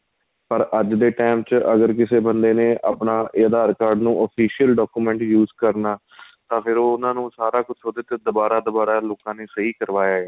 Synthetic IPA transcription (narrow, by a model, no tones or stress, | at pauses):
pəɾəd͡ʒd̪eːʈaːmt͡ʃəɡəɾkɪseːbənd̪eːneːʔa̰ːpnaːɪəd̪aːɾkaːɾɖnũːʔɔːpʰiːʃijəlɖɔːkuːmɛ̃ːɳʈjuːzkəɾnaː | t̪ãːpʰɪɾoːʊnãːnũːsaːɾaːkʊt͡ʃʰɦoːd̪eːt̪eːd̪əbaːɾaːd̪əbaːɾaːloːkãːneːsəiːkəɾʋaːjaːeː